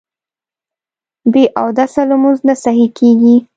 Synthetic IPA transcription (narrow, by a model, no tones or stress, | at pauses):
beʔawd̪asalmunznasaɦikʰeɡi